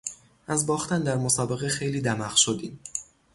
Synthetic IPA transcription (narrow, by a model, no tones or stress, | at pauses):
ʔæzbɒːxt̪ænd̪æɾmosɒːbe̞ɣexe̞jliːd̪æmæʁʃod̪iːm